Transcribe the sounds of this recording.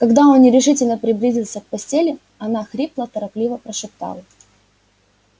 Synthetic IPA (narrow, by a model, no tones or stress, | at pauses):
kɐɡd̪ao̞nːʲɪɾʲɪʂɨtʲɪlʲnəpɾʲɪblʲizʲɪlˠsʲək̚pɐsʲtʲelʲɪ | ɐnaxɾʲiplˠət̪əɾɐplʲivəpɾəʂɨp̚t̪a̰lˠə